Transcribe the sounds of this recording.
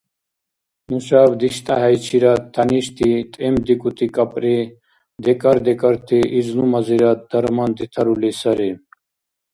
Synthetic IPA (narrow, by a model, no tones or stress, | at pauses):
muɕaːbd̪iɕt̪aɦɐjt͡ɕʰiɾɐt̪ʰːɐniɕt̪ʰit̪ʼemd̪ikut̪ikɐpʼɾe | d̪ekɐɾd̪ekɐɾt̪ʰiʔiznumɐziɾɐt̪̚d̪ɐɾmɐnd̪it̪ʰɐɾulisɐɾe